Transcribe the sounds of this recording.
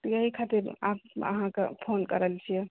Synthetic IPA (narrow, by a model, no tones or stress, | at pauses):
t̪jaɦikʰat̪iɾa̰pə̰ɦãkḛpʰonkəɾəlt͡ʃʰiɛ